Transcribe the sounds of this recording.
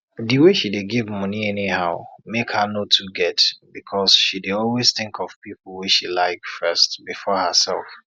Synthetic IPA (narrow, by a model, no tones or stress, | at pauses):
dɨweʃideɡivmʌ̃niɛnihaʊmekhənotʰuɡɛtbikʰɔz̥ʃideɔlwez̥θɪ̃ŋkʰɔv̥pipl̩ˠwiʃilaɪkfɜstbifɔhəsɛ̰lˠf